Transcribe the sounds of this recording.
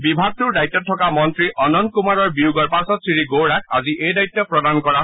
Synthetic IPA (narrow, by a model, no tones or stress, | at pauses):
bibʱaɡ̚tʊɹdajt̪ːɔtʰːɔkamɔntɹiʔɔnɔn̚kumaɹɔɹbiuɡɔɹpasɔtsɹiɹiɡoɹakʰa̰ziʔejdajt̪ːɔpɹɔdankɔɹa